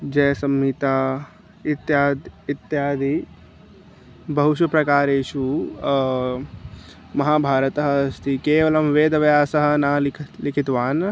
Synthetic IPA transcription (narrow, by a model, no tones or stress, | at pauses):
d͡ʒɛːsɐmːiːt̪a | ɪt̪jaːd̪ɪt̪jaːd̪i | bɐɦʊʃɐpɾɐkaːɾeːʃu | mɐɦaːbʱaːɾət̪əɦst̪ʰikeːʋɐlɐmʋeːd̪ɐʋɐjaːsɐɦɐ̆naːlʰlɪkʰɪt̪ʋaːn